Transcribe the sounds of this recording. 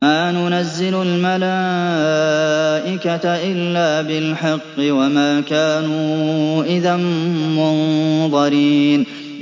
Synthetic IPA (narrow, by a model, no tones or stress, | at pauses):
aːnʊnazːɪlʊlmala | ʔɪkat̪aʔɪlːaːbɪlħɑqːɨwamaːkaːnuːʔɪðammʊnðˤɑɾiːn